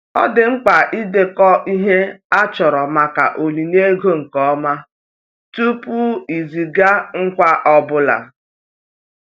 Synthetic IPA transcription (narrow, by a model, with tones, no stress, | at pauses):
ɔ̰˦dɪ˨ŋ͡m̩˦k͡pa˨ʔi˦de˨kɔ˦ʔi˦ɦe˦a˦t͡ʃɔ˨ɾɔ˨ma˨ka̰˨ʔo˨li˨n˦e˦ɡo˦ŋ̩˨kɔ˦ma˦ | tu˦pu˦i˨zi˨ɡa˦ŋ̩˦kʷa˦ʔɔ˦bʊ˦la̰˨